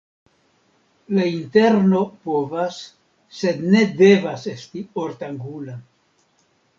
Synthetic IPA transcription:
lainte̞ɾno̞po̞vasː | e̞dne̞de̞vase̞stioɾtaŋɡula

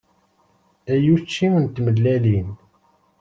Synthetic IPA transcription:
æjut͡ʃːimənt̪məlːælin

